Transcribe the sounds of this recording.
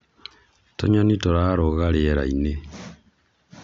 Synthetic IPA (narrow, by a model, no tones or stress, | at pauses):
to̰ɲanitoɾaɾoɣaɾeeɾa̰ine